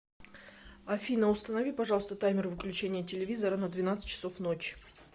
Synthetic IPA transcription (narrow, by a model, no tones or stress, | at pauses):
ɐfʲinəʊst̪ənɐvʲipɐʐɑlˠəst̪ət̪ajmʲɪrvɨklʲʉt͡ɕenʲɪjətʲɪlʲɪvʲizəɾənəd̪vʲɪnat̪sɨ̥t̚ʲt͡ɕːɪ̥so̞fnot͡ɕ